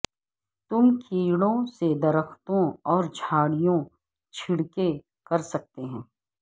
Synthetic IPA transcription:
t̪ʊmkʰiːɽõsed̪ɐɾəxt̪õɔːɾd͡ʒʱaːɽijõ | t͡ʃʰɪɽke | kɐɾsɐk̚t̪eɦɛ̃ː

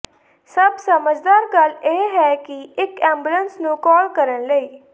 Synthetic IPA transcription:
səbsəməd͡ʒd̪aːɾɡəleːɦɛːkɪɪkɛ̃ːmbulənsnũːkɔːlkəɾənləiː

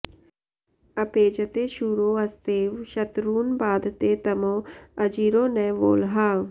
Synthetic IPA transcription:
ɐpeːd͡ʒət̪eːʃuːɾoːɐst̪eːʋʃɐt̪ɾuːnbaːd̪ʱt̪eːt̪ɐmõːɐd͡ʒiːɾoːnɛːʋo̰ːlɦaː

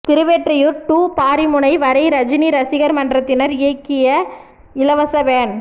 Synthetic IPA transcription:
t̪ɪɾɯʋeʈrɐjɯɾʈuːpaːɾimʊɳɐɪʋɐɾɐɪɾɐd͡ʒɪniɾɐsɪɣɐɾmɐndrɐt̪ːɪnɐɾɪɐkːɪjɐ | ɪlɐʋɐsɐʋeːn

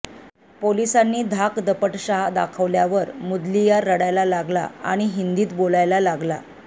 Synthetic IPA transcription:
polisanːiːd̪ʱakd̪əpəʈɕaɦad̪a̰kʰəʋljaʋəɾmud̪lijaɾəɽajlalaɡla̰a̰ɽ̃iɦind̪iːt̪bolajlalaɡla̰

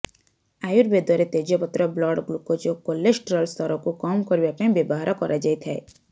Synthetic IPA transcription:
ajuɾbed̪ɔɾet̪ed͡ʒɔpɔt̪ɾɔblɔɽɡlukɔd͡ʒokolːesʈɾɔlst̪ʰɔɾɔkukɔmkɔɾibapanĩbebɔɦaɾɔkɔɾʔad͡ʒajt̪ʰae

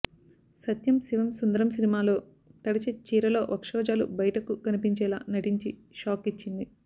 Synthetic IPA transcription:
sɐt̪jɐmsiʋɐmsund̪ɐɾɐmsinimaːlo̞ː | t̪ɐɽit͡ʃet͡ʃiːɾɐlo̞ːʋɐkʂɔːd͡ʒaːlṵbɐjɐʈɐkuɡɐnipiɲt͡ʃɛːla̰ːnɐʈiɲt͡ʃiʃaːkit͡ʃːind̪i

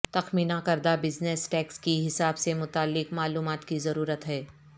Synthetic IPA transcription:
t̪ɐxmiːnakɐɾd̪abɪd͡ʒnesʈɛːkskiɦɪsaːbsemʊt̪aːlːɪkmaːluːmaːt̪kizɐɾuːɾət̪ɦɛː

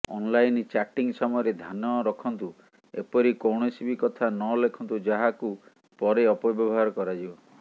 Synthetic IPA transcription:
ɔ̰nlajnt͡ʃaʈiŋsɔmɔjɔɾed̪ʱanɔɾɔkʰɔnt̪u | ḛpɔɾikowɽ̃ɔsibʱikɔt̪ʰanɔlekʰɔnt̪ud͡ʒaɦaku | pɔɾeɔpɔbɔbɔɦaɾɔkɔɾad͡ʒibɔ

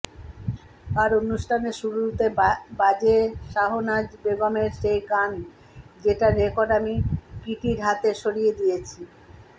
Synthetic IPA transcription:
aɾonuʃʈʰaneʃuɾut̪ebad͡ʑeʃaɦonad͡ʑbeɡomeɾʃejkan | d͡ʑeʈaɾekoɾamikiʈiɾɦat̪eʃoɾijed̪ijet͡ɕʰi

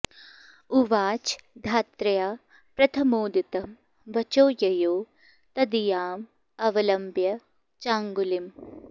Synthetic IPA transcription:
uʋaːt͡ʃd̪ʱaːt̪ɾɐjaː | pɾɐt̪ʰɐmoːd̪it̪ɐm | ʋɐt͡ʃoːjɐjoː | t̪ɐd̪ijaːm | ɐʋɐlɐmbjɐ | t͡ʃaːŋɡulim

